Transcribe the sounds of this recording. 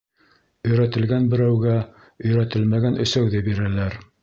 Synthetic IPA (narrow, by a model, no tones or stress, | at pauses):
ɵ̆jɾæt̪ɘ̆lɡænbɘ̆ɾæwɡæ | ɵ̆jɾæt̪ɘlmæɡænʔɵ̆sæwðɘbiɾælæɾ